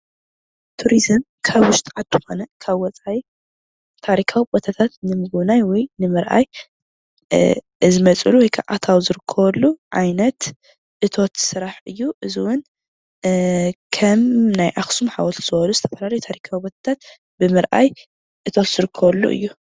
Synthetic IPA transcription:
t̪ʰuɾizɨm | kʰaβwʊʃt̪ʰʼʔad̪ɨxo̞nɐkʰaβwɔt͡sʼaji | t̪ʰaɾikʰawibot̪ʰat̪ʰat̪nɨmɨɡɨβnajwɔjnɨmɨɾʔa̰j | zɨmɐt͡sʼɨ̰luwɔjkʰa̰ʔa̰t̪ʰawzɨɾɨkʰːɐβɐlːuʕajnɐt̪ | ʔɨt̪ʰo̞t̪sɨɾaħɨjːuʔɨziwʊn | kʰɐmnajʔaxsumħa̰wɔt̪t̪ʰz̥ɨbɐluzɨt̪ʰɐfɐlalɐjut̪ʰaɾikʰawibot̪ʰḁt̪ʰat̪̚ | bɨmɨɾʔa̰j | ʔɨt̪ʰo̞t̪z̥ɨɾɨkʰːɐβɐlːṵʔɨ̰jːu

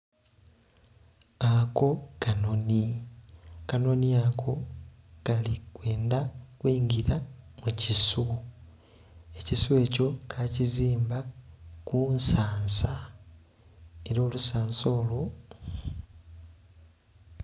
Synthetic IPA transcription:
ako̞kano̞ni | kano̞niakʰo̞ | kalikwe̞ːndakwiːŋɡiɾamucisu | e̞cisue̞ːco̞kʰaciziːmbakunsaːnsa | e̞ɾo̞ːlusaːnso̞ːlo̞

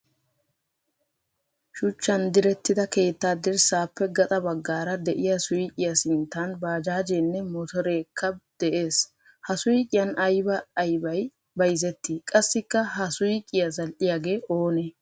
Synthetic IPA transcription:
ʃʊt͡ʃːɐnd̪ɪɾɛt̪ːɪd̪ɐke̞ːt̪ːaːd̪ɪɾsaːpːɛɡɐt̪ʼɐbɐɡːaːɾɐd̪ɛʔɪjɐsʊjkʼɪjɐsɪnt̪ːanbaːd͡ʒaːd͡ʒeːnːɛmɔt̪ɔɾeːkʰːɐd̪̥ɛʔe̞ːs | hɐsʊjɪkʼɪjɐnɐjbɐːjbɐj | bɐjzɛt̪ːiːkʼɐsːɪkːɐɦɐsʊjkʼɪjɐzɐlʔɪjaːɡe̞ːʔoːne

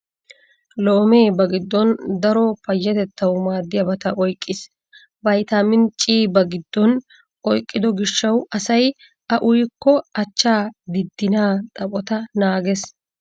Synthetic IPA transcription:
loːme̞ːbɐɡɪd̪ːɔnd̪ɐɾɔpɐjːɐt̪ɛt̪ːɐwmaːd̪ːɪjɐbɐt̪ɐʔɔjkʼːɪs | bɐjt̪amɪnt͡ʃʼːiːbɐɡɪd̪ːɔn | ɔjkʼːɪd̪ɔɡɪʃːɐwɐsɐj | ʔɐʔʊjkːɔɐt͡ʃːaːd̪ɪd̪ːɪnaːt̪ʼɐpʼɔt̪ɐnaːɡɛs

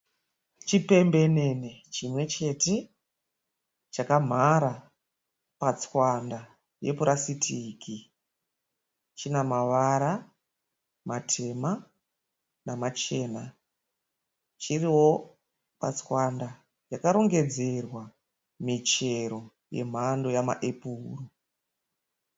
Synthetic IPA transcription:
t͡ʃipe̞mbe̞ne̞net͡ʃimwe̞t͡ʃe̞te̞ | t͡ʃakam̤aɾa | pat͡swanda | jepuɾasitʰiki | t͡ʃinamaʋaɾa | matʰe̞ma | namat͡ʃe̞ːna | t͡ʃiriwo̞ | pa̰t͡swanda | jakaɾo̞ŋɡe̞d͡ze̞rwa | mit͡ʃe̞ɾo̞ | je̞̰m̤ando̞jama̰ʔepuːru

